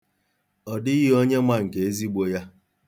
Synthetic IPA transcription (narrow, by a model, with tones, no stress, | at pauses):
ɔ˨dɪ˦ɣi˦o˦ɲe˦mʷa˦ŋ̩˨ke˨e˦zi˦ɡ͡bo˦ja˦